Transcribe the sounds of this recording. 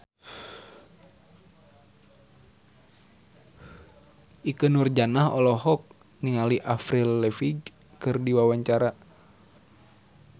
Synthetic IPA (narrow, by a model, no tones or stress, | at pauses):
ʔikənurd͡ʒanaɦɔlɔɦɔk̚ | niŋaliʔafɾilːɛfiɡ | kɨrdiwawaɲt͡ʃaɾa